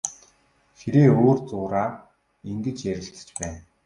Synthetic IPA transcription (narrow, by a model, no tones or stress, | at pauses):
xʰeɾeːoːrt͡sʊːɾaː | iŋɡɘ̆t͡ɕjæɾʲɪ̆ɬt̪ə̥̆t͡ɕpæːn